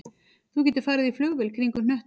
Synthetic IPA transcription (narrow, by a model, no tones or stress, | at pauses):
θuc̬ɛːt̪ɪɾ̥faːɾɪðiflʏɣvɪlkʰɾiŋkʏnœht̪